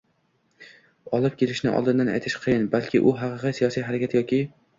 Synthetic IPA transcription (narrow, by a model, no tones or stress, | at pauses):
ɒlˠɪp̚kʲʰe̞lɪʃnɪ̰ʔɒ̰lˠd̪ɪnd̪ana̰jt̪ʰɪ̥ʃqʰɨjɪnbalkʲʰɪʔʊɦɑqɨqɨjsijɒsijɦaɾakʲat̪jɒkʲɪ